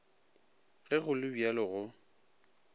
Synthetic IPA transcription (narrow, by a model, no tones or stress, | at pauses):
ɣɛɣʊlɪbialɪɣʊ